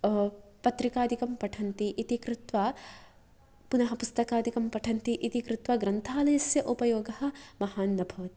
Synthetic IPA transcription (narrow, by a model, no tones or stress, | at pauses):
pɐt̪ɾikaːd̪ʱikɐmpɐʈʰɐnt̪iʔit̪ikɾut̪ʋɐ | punɐɦɐpust̪ɐkaːd̪ʱikɐmpɐʈʰɐnt̪iʔit̪ikɾut̪ʋɐɡɾɐnt̪ʰaːlɐjɐsjɐʔupɐjoːɡɐhɐ̆mɐhaːnːɐbʱɐʋɐt̪i